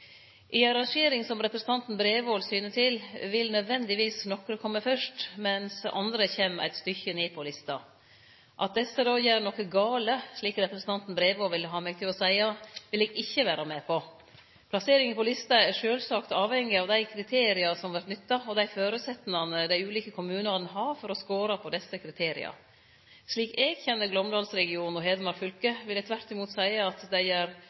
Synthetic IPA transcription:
ʔɪɑɾɑŋʂeːɾɪŋsɔmɾɛpɾɛsən̩t̪ʰɑnt̪n̩bɾeːʋoːlsyːnət̪ʰɪlʋɪlnœd̪ʋɛnd̪ɪʋiːsnɔkɾəkʰɔmːəfœʂʈmɛnsɑ̰nd̪ɾəçeːmæ̰ɪt̪st̪ʏçəneːpʰɔlɪst̪ɑ | ʔɑ̰t̪̚d̪ɛsːəd̪ɑːjæːɾnɔkəɡɑːləʂɭiːkɾɛpɾəsn̩ʰɑnt̪n̩bɾeːʋoːʋɪlːəɦɑːmɛɡ̚t̪ʰɪlɔsæɪɑʋɪlɛːɡɪçːəʋæːɾɑmeːpʰɔ | pʰlɑseːɾɪŋənpʰɔlɪst̪ɑæɾʂøːlsɑkt̪ɑːʋhɛŋːɪɑʋd̪æɪkʰɾɪt̪ʰeːɾɪɑsɔmʋæɾʈnʏt̪ːɑɔd̪æɪføːɾʉt̪sɛt̪ːnɑnəd̪æɪʉːliːkəkʰʊmʉːnɑnəɦɑɾfɔɾɔskoːɾɑpʰɔd̪ɛsːəkʰɾɪt̪ʰeːɾɪ̰ɑ̰ | ʂɭiːkeːɡçɛnːəɾɡlɔmd̪ɑːlsɾɛɡɪuːnɔɦeːd̪əmɑɾfʏlkəʋɪlːət̪ʰʋæɾt̪ɪmuːt̪sæɪəɑt̪d̪æɪjæːɾ

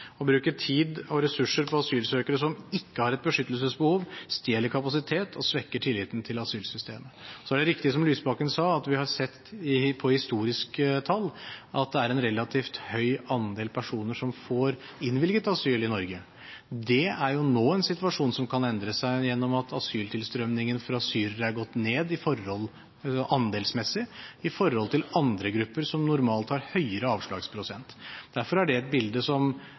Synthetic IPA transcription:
ɔbɾʉːkəʈʰiːd̪ɔɾɛsʉʂəɾpʰɔɑsyːlsøːkəɾəsɔmɪkːəhɑɾɛt̪̚bəʂʏt̪ːəlsəsbəhuːʋst̪jeːləɾkʰɑpɑsɪt̪ʰeːt̪ʰɔ̰sʋɛkːəʈʰɪlːɪːt̪n̩t̪ʰɪlɑsyːlsʏst̪ʰḛːməsɔæɖɛɾɪkt̪ɪəsɔmlyːsbɑkənsɑːɑt̪ʋɪhɑɾsɛt̪ːɪpʰɔhɪst̪uːɾɪskt̪ʰɑlːʔɑt̪̚d̪ɛæɾɛnɾɛlɑt̪ʰiːft̪hœʏɑnd̪eːlpʰæʂuːnəʂɔmfoɾ | ɪnʋɪlɡət̪ɑsyːlɪnɔɾɡə | d̪ɛæɾjʊnoːɛnsɪt̪ʋɑʂuːnsɔmkʰɑnɛnd̪ɾəsæɪjɛnːɔmɑt̪ʰɑ̰syːlt̪ʰɪlst̪ɾœmnɪŋənfɾɑɑsyːɾəɾæɾɡɔt̪ːneːd̪ɪfɔɾhɔl | ʔɑnd̪eːlsmɛsːɪɪfɔɾhɔlt̪ʰɪlɑnd̪ɾəɡɾʉpːəɾsɔmnʊɾmɑːlt̪hɑːɾhœʏəɾəɑːʋʂɭɑ̰ːɡspʰɾʊsɛ̰nt̪d̪̥æɾfɔɾæɖɛɛt̪̚bɪld̪əsɔm

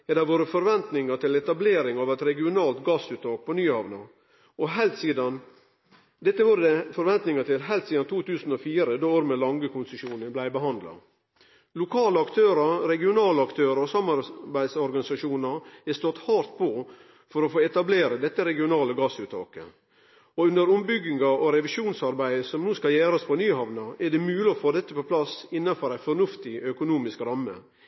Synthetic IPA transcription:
ɛd̪æɾʋoːɾəfɔɾʋɛnt̪nɪŋɑt̪ɪlɛt̪ɑbleːɾɪŋɑʋɛt̪ɾɛɡɪʊnɑːlt̪ɡɑsʉːt̪ʰɑːk̚pʰɔnyːhɑʋnɑ | ɔɦɛlt̪siːd̪ɑn | d̪ɛt̪ːəʋuːɾəd̪ɛfɔɾʋɛnt̪nɪŋɑt̪ɪlɦæɪlt̪siːd̪ɑnt̪ʰuːt̪ʉːsn̩ɔfiːɾəd̪ooːɾmɛlɑŋɡəkʰʊnsəʂuːnənblæɪbəɦɑnd̪lɑ̰ | lʊkʰɑːləɑkt̪ʰøːɾɑɾɛɡɪʊnɑːləɑkt̪ʰøːɾɑɔsɑmɑɾbæɪd̪sɔɾɡɑnɪsɑʂuːnɑɾɛst̪ɔt̪hɑːɾt̪̚pʰɔ | fɔɾɔfoːɛt̪ɑbleːɾəd̪ɛt̪ːəɾɛɡɪʊnɑːləɡɑsʉːt̪ʰɑ̰ːkə̰ | ɔʉnd̪əɾʊmbʏɡɪŋɑʔɔɾɛʋɪʃuːnsɑɾbæɪsɔmnuːskɑljæːɾɑspʰɔnyːhɑʋnɑʔɛɖɛmʉːlɪɔfoːd̪ɛt̪ːəpɔpʰlɑsɪnːɑfɔɾæɪfɔɾnʉft̪ɪœkʊnuːmɪskɾɑmːə̰

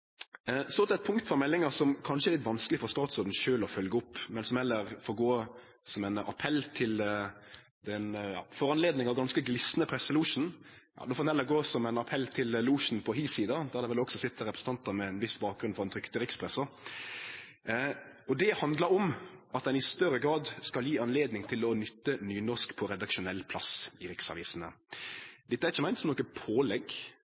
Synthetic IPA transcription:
sɔt̪lɛt̪̚pʰʊŋkt̪fɔɾmɛlːɪŋɑsɔmkʰɑnʂəɛɾlɪt̪ʋɑnskəlɪfɔʁst̪ɑːt̪sɔɾd̪n̩ʃøːlɔfœlɡəʊpːmɛnsɔmhɛlːəɾfoːɡoː | sɔmɛnɑ̰pʰɛlt̪ʰɪl | d̪ɛnjɑ̰ːfɔɾɑnleːd̪nɪŋɑʋɡɑnskəɡlɪsnəpʰɾɛsːəluːʂn̩jɑ̰ːd̪oːfoːd̪nhɛlːəɾɡoːsɔmæɪnɑpʰɛlːt̪ʰɪlluːʂn̩pʰɔɦiːsiːd̪ɑd̪ɔæd̪ɛʋɛlɔksɔsɪt̪ːəɾɛpɾəsn̩t̪ɑnt̪əmɛnʋɪsbɑːk̚ɡɾʉnfɔʁd̪ɛnt̪ɾʏkt̪əɾɪkspʰɾɛsə | ɔd̪ɛhɑnd̪ləɾɔmɑt̪̚d̪ɛnɪst̪œɾəɡɾɑːd̪skɑljiːɑnleːd̪nɪŋt̪ʰɪlɔnʏt̪ːənyːnɔʁskpʰɔɾɛd̪ɑkʂʊnɛlːpʰlɑsɪɾɪksɑ̰ʋiːsnə̰ | d̪ɛt̪ːəæɾɪçːəmæɪsɔmnɔkəpʰoːlɛɡ

